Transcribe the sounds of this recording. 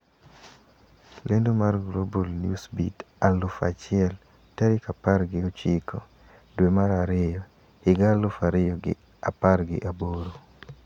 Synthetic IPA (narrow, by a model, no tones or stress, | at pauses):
lendomarɡlobolnjusbit | alʊfat͡ʃɪɛl | tɛɾɪkaparɡɪot͡ʃikʰo | dwemaɾaɾɪejɔ | hɪɡalʊfaɾɪjɔɡɪ̰ | aparɡɪ̰ʔaboɾo